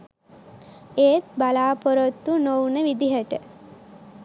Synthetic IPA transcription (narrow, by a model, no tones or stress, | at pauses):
eːt̪̚balaːpoɾot̪ːunownəʋid̪iɦəʈə